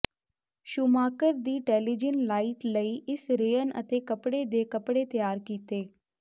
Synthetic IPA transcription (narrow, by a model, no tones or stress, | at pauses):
ʃʊmaːkəɾd̪iːʈɛːlid͡ʒənlaːiːʈləiːʔɪsɾeːənə̰t̪eːkəpɽeːd̪eːkəpɽeːt̪əjaːɾkiːt̪eː